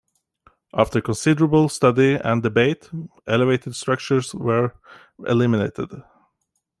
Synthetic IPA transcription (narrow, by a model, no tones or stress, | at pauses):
ʔæftə˞kʰə̃nsɪdəɹəbəl̩ˠstʌdiæ̰̃ndɨbeɪtʔɛlˠəveɪtɨdstɹ̥ʌk̚t͡ʃə˞zwə˞ | ʔɪ̰lɪmɪneɪtɪ̰d̥